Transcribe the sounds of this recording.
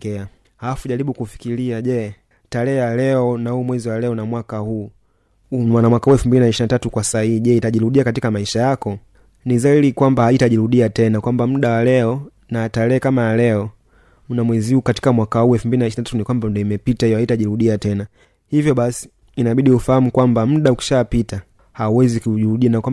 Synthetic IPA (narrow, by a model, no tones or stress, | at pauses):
ɛa | haafuʄaɾiɓukufi̥kiliaʄɛ | talɛːjalɛɔnahuːmwɛziwalɛɔnamwakahuː | wanamwakahuɛlfumbilinaiʃinatatukwasahihiʄɛitaʄiɾuɗiakatikamaiʃajakɔ | nizailikwambahaitaʄiɾuɗiatɛnakwambamuɗawalɛɔ | naːtalɛːkamajalɛɔ | munamwɛzihuːkati̥kamwakahuːɛlfumbilinaiʃinatatunikwambandɔimɛpitaijɔhaitaʄiɾuɗiatɛna | hivjɔɓasi̥ː | naɓiɗiufahamukwambam̩ɗauki̥ʃapita | hauwɛzikuʄiɾuɗianakwa